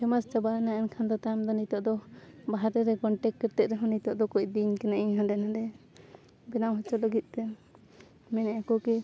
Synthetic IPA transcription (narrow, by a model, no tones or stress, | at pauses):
t͡ʃɛmast͡ʃabaɛnaʔɛnkʰand̪ɔt̪amd̪ɔnit̪ɔʔd̪ɔbaɦaɾɛɾɛkɔɳʈɛkːɛɾt̪ɛʔ̪ɾɛɦɔnit̪ɔʔd̪ɔkɔc̚d̪iɲkɛnaʔiɲɦãdɛnadɛ | bɛnawɦɔt͡ʃɔləɡit̪̚ˀt̪ɛ | mɛnɛakɔkɛ